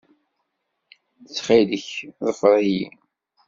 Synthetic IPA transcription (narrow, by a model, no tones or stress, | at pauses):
t͡sːχiləçðˤəfɾˤijḭ